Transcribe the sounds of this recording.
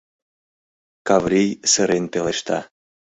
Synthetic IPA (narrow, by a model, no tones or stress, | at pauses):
kavɾʲijsəɾent̪eleʃt̪ɑ̰